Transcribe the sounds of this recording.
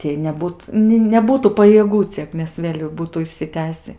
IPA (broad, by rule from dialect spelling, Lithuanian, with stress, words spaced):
ˈtʲiɛj nʲɛˈbuːt nʲɪ nʲɛˈbuːtuː pɐjiɛˈɡuː ˈt͡sʲiɛk nʲɛs ˈʋʲeːlʲ jɛʊ ˈbuːtuː ɪʃʲsʲɪˈtʲæːsʲɪ